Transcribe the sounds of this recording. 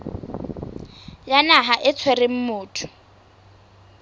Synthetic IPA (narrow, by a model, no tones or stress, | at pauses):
janaɦaʔɪt͡sʰwerɪm̩mʊːtʰʊ̥